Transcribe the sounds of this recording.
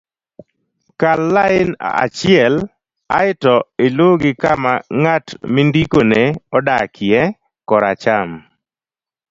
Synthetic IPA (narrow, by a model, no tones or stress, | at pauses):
kalːaɪna̰t͡ʃɪɛl | a̰ɪtɔeloɡɪkamaŋatmindikoneɔdakʰɪjɛ | kɔɾat͡ʃam